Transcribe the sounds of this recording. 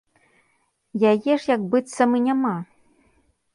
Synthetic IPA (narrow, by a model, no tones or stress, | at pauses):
jajɛʂjɐkbɨt̪sːɐmɨnʲama